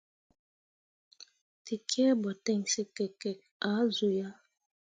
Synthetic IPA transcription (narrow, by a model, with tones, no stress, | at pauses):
ti˨kʰɛ˦bɔ˨tɛ˦˨ŋse˦kɛ˨kɛ˨k̚a˨˦zu˨ja˦